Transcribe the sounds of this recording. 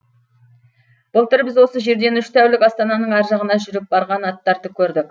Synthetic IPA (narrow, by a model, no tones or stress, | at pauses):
b̥ʊlˠt̪ʰʏɾbɪzwo̞səʒe̞ɾd̪e̞nʏʃt̪ʰæwlɪkʲɑst̪ɑnɑnəɴæɾʒɑʁənɑʒʏɾɪp̚bɑɾʁɑnɑt̪ːɑɾt̪əkʲʰɵɾd̪ɪkʲ